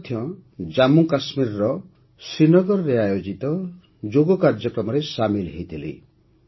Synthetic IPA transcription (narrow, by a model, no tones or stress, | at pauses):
t̪ʰjɔ̃d͡ʒamukasmiɾɔɾɔ | sinɔɡɔɾɔɾeajod͡ʒit̪ɔ | d͡ʒoɡɔkaɾd͡ʒɔkɾɔmɔɾesamilɦejt̪ʰilḭ